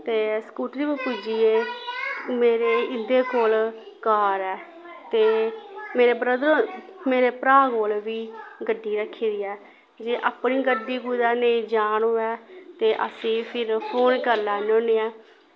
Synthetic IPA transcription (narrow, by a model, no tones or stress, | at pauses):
t̪eːskuːʈɾiːbəpud͡ʒiːeː | meːɾeːɪnd̪eːkoːl | kaːɾɛː | t̪eːmeːɾeːbɾəd̪ɾomeːɾeːpɾaːkoːlʋiːɡəɖːiːɾəkʰːeːd̪iːɛː | d͡ʒeːʔapniːɡəɖiːɡud̪aːneːd͡ʒaːnoːɛːt̪eːʔə̰sĩːpʰɪɾpʰoːnkəɾlaːnoːneːɛː